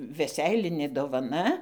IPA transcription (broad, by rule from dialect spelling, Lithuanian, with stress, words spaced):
ʋʲɛˈsʲɛɪlʲɪnʲeː doːʋɐˈnɐ